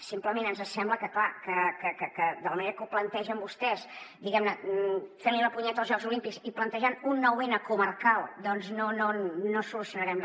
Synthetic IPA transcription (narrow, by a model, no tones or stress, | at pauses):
simpləmenənzəsɛmbləkəklakəkəkəkəd̪ələməneɾəkuplənt̪ɛʒəmbust̪ɛsd̪iɣɛmnəfeɾliləpuɲɛt̪əlˠzʒɔɡzulimpikziplənt̪əʒanunːɔwenəkumərkalˠd̪ɔnznonoːosulusjunəɾɛm